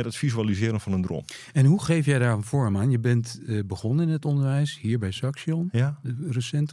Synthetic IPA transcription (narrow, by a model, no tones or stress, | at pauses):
ɛtətfizyalizɪːəɾənfɔnəndro̰mɛnɦuχeːfjɛjdaːɹənfɔɹmaːnjəbɛntbəχɔnəɪnətondəɹʋɛjshiːɹbɛjsaksjonrəsɛnt